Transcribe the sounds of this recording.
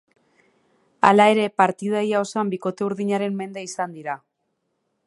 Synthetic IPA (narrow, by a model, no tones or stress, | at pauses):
a̰lae̞ɾe̞paɾt̪ið̞ajao̞sambiko̞t̪e̞uɾðiɲaɾe̞mːe̞nd̪e̞isand̪iɾa